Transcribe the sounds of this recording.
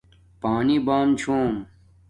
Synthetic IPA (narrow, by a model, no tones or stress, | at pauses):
paːnibaːmt͡ɕʰoːm